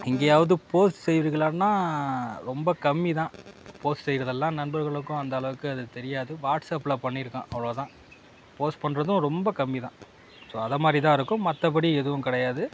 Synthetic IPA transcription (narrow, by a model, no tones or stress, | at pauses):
ɪŋɡejaːʋɐðɯpoːsʈsɛjʋɪɾɣɪɭaːnːaːɾɔmbɐkɐmːit̪ãːpoːsʈsɛjːɪɾɐðɛlːãːnɐnbɐɾɣɐɭɯkːʊ̃ɐnd̪ɐːlɐʋɯkːɯɐðɯt̪ɛɾɪjaːðɯʋaːʈsɐpɪlɐpːɐɳːiɾɯkːã̰ːʔɐʋɐɭoːt̪ãː | poːsʈ̚pɐɳːɾɐðɯ̃ɾɔmbɐkɐmːit̪ã̰ː | soːɐðɐmaːd̪ɾit̪̬ãːɪɾɯkːʊ̃mɐt̪ːɐp̬ɐɽiɛðɯʋʊ̃kɪɽɐjaːðɯ